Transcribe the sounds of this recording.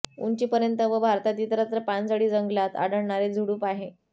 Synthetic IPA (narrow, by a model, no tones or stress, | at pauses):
ṵɲt͡ɕiːpəɾjənt̪əʋəbʱaɾt̪at̪̬iːt̪əɾət̪ɾəpand͡zaɽiːd͡zəŋɡlat̪a̰ɽəɽɳaɾed͡zʱuɽuːpaɦe